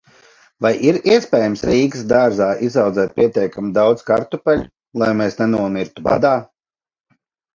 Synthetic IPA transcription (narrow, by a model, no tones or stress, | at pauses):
vajʔiɾiɛspʲɛːjamsɾiːksd̪aɾzaːʔizawd̪zɛːt̪̚pʲiɛt̪ʲɛjkamid̪awd̪z̥kaɾt̪upɛlʲ | lˠajmeːsnɛnuɔmiɾt̪uba̰d̪aː